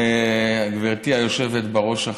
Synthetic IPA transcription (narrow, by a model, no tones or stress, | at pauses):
aɡveʁt̪iajo̞ʃe̞vet̪beʁo̞ʃa